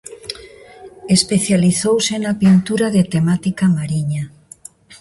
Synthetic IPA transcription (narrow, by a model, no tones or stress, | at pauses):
espeθjaliθowsenapint̪uɾaðet̪emat̪ikamaɾiɲa